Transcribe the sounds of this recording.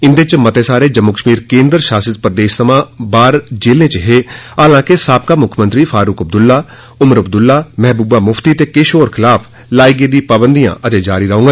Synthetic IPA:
ɪnd̪et͡ʃmət̪eːsaːɾeːd͡ʒəmːokəʃmiːɾkẽːnd̪əɾʃaːsət̪pɾəd̪eːʃsəmãːbaːɾd͡ʒeːlẽːt͡ʃəɦeːaːlãːkɪsaːp̚kaːmʊkʰmənt̪ɾiːfʰaːɾʊkəb̚d̪ʊlːaː | ʊməɾəb̚d̪ʊlːaːmɛɦbuːbaːmʊfʰt̪iːt̪eːkeːʃoːɾkʰɪlaːpʰ | laːiɡeːd̪ĩːpaːbənd̪ijã̰ːʔət̪eːd͡ʒaːɾiːɾəɦõːɡ

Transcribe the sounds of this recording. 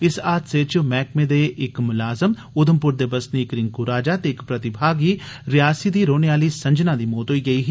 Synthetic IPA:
ɪsaːt̪set͡ʃmɛːkmẽːd̪eːʔɪkmʊlaːzəm | ʊd̪əmpʊɾd̪eːbəsniːkɾɪŋkuɾaːd͡ʒaːt̪eːɪkpɾət̪ɪbʱaːɡiːɾɪjaːsiːd̪iːɾoːneaːliːsə̃ɲd͡ʒnaːd̪iːmoːt̪ɦoːiːɡəiːɦ

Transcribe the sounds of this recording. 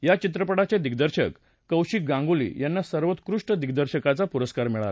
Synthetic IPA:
jat͡ɕit̪̬ɾəpəɽat͡ɕed̪iɡd̪əɾɕəkː | əwɕik̚ɡãŋɡolḭːjanːasəɾʋət̪kɾuʂʈəd̪iɡd̪əɾɕəkat͡sapuɾəskaɾmiɭaɾa

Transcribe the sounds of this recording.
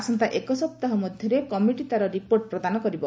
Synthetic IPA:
asɔnt̪aʔekɔsɔp̚t̪aɦɔmɔd̪ʱjɔɾekɔmiʈit̪aɾɔɾipoɾʈ̚pɾɔd̪anɔkɔɾibɔ

